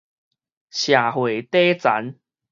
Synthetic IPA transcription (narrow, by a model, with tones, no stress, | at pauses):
ɕja˨˩hwe˨˩t̪e˦t͡sa̰˨˦n